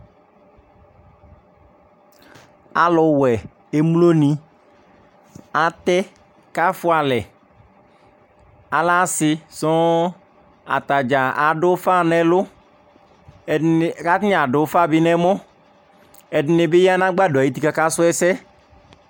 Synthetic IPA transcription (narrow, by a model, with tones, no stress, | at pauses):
a˨lʊ˨wɛ˨ | e˦mu˦lo˦nĩ˦ | a˨t̪ɛ˦ | ka˦fʊ˦a˨lɛ˨ | a˨la˦sɪ˦sɔ˦ | a̰˨t̪a˨d͡ʒa˨a˨ɖʊ˦fa˦nɛ̃˨lʊ˦˨ | ka˦t̪ɲ˦a˨ɖʊ˨˦fa˦˨bɪ˦nɛ˦mɔ̃˦ | ɛ˨dnɪ˨be˦ja˦nã˦ɡ͡ba˦do˨a˨ji˦t̪i˨ka˨ka˦sʊ˦ɛ˦sɛ˦